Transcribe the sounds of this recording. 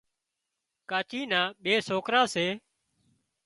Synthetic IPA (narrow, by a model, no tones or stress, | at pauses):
kaːt͡ʃiːnãːɓeːsoːkɾãːseː